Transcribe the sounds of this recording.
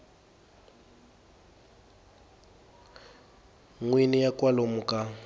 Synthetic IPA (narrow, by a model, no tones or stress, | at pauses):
ŋwinijakʼwalomukʼa